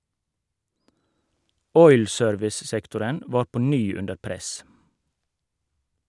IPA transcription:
ˈɔʏl ˈsøːɾʋɪs ˈsɛktʊɾən ˈʋɑːɾ ˈpɔ ˈnyː ˈʉndəɾ ˈpɾɛs

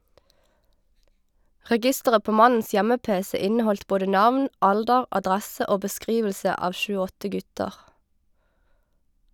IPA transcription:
ʁɛˈɡɪstəʁə ˈpoː ˈmɑnn̩s ˈjɛməˌpeːsɛ ˈɪnəˌhɔlt ˈboːɖə ˈnɑʋn ˈɑldəʁ ʔɑˈdʁæsə ˈʔoː bəˈskʁiːʋəlsə ˈɑːʋ ˈʃʉː ˈɔtə ˈɡʉtəʁ

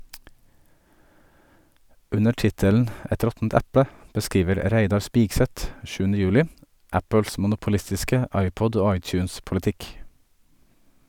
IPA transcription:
ˈʉnə ˈʈɪtəln̩ ˈɛt ˈɾɔtn̩t ˈɛpə bəˈskiːʋəɾ ˈɾæɪdɑɾ ˈspiːɡˌsɛt ˈʃʉːnə ˈjʉːlɪ ˈæpəls mʊnʊpʊˈlɪstɪskə ˈɑɪˌpɔd ˈoː ˈɑɪˌt͡ʃʉːnspʊləˌtɪk

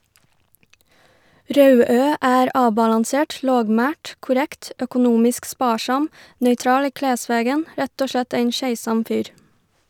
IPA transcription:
ˈɾɑʉˌøː ˈæːɾ ˈɑːbɑlɑnˌseːʈ ˈloːɡˌmæːʈ kʊˈɾɛkt œkʊˈnuːmɪsk ˈspɑːˌʃɑm nœʏˈtɾɑːl ˈiː ˈkleːˌsʋeːɡən ˈɾɛt ˈoː ˈʃɭɛt ˈeɪn ˈʃæɪˌsɑm ˈfyːɾ

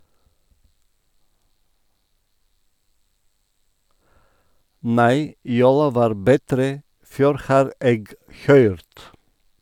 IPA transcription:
ˈnæɪ ˈjuːlɑ ˈʋɑːɾ bəˈtɾeː ˈføːɾ ˈhɑːɾ ˈeːɡ ˈhœʏɾt

